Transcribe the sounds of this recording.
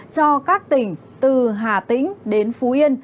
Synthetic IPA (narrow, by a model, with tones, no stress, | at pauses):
t͡ɕɔ˧kaː˦˥k̚t̪ï˨˩ŋ̟ | t̪ɨ˨˩ɦaː˨˩t̪ḭ̈˧˥ŋ̟ɗe˨˦nfu˨˦ʔi˧ən